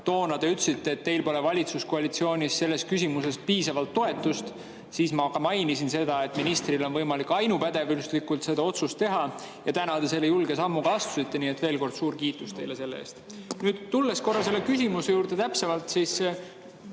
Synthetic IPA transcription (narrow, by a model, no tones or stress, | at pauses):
t̪o̞ːnɑd̪̥e̞yt̪ːsit̪ːe̞ːt̪ːe̞jlpo̞le̞vɑlʲit̪suskoɑlit̪sio̞ːnʲisːe̞lːe̞skysʲimuse̞spiːsɑvɑlt̪ːo̞e̞t̪ːˑust̪ | siːsmɑkɑmɑjnisinse̞d̪̥ɑe̞t̪ːˑminist̪rilo̞nvɤjmɑlikɑjnupæd̪̥e̞vylst̪likːult̪se̞d̪ɑo̞t̪sust̪ːe̞ɦɑ | jɑt̪ænɑd̪̥ese̞lːejulɡe̞sɑmːukɑɑst̪u̥sit̪ːe̞niːet̪ːve̞ːlko̞rd̪̥suːɾkiːt̪ˑːust̪e̞jlese̞lːeḛːst̪ | nyːd̪̥t̪ːulːesko̞rːɑse̞lːekysimuse̞juːɾd̪̥e̞t̪æpsevɑlt̪siːs